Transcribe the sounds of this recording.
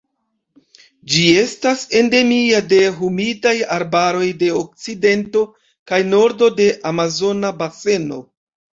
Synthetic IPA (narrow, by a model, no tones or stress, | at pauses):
d͡ʒie̞stase̞nde̞miade̞ɦumidajaɾbaɾo̞jde̞ok̚t͡side̞nto̞ | kajno̞ɾdo̞de̞ʔamazo̞nabase̞no̞̰